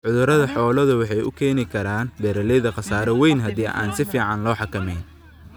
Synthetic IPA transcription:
ʕʊðʊɾɐðɐħɔːlɐðʊwɑħɑjʊ̰kʰɛːnɪkʰɐɾaːnb̪ɛːɾɐlɛjðɐqɑsaːɾɛwɛjnɦɐd̪iːʔa̰ːnsɪfiːʕɑnlɔːħɑkʰɐmɛjn

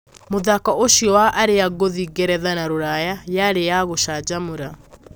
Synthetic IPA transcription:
moðakaʔoʃiɔwaʔaɾejaɡoðiɡɛɾɛðanaɾoɾajajaɾejaɣoʃad͡ʑamoɾa

